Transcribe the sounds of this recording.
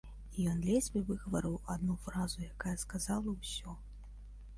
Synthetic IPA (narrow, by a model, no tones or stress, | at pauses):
ijɔnd̪lʲɛsʲbʲɛvɨɣɐvɐɾɨwad̪nufɾazujakajɐskazalˠɐwsʲɔ